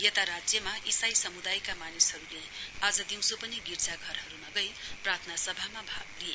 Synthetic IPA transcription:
jʌt̪aɾad͡zjʌmaʔisajsʌmud̪ajkamanishʌɾulead͡zʌd̪iw̃sopʌniɡiɾd͡zaɡʱʌɾɦʌɾunʌɡʌjprat̪ʰnasʌbʱamabʱaɡ̚lie

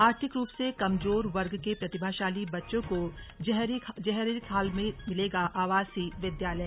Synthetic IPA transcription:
aːɾt̪ʰɪkɾuːpsekɐmzoːɾʋɐɾɡkepɾɐt̪ɪbʱaːʃaːlibɐtːʃõkoɦd͡ʒɛɦɾikʰaːlmẽmɪleːɡaʔaːʋaːzsiʋɪd̪jaːləɛ

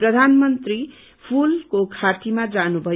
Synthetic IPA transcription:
prʌd̪ʱanmʌnt̪ri | pʰulkokʰat̪imad͡zanubʱʌ

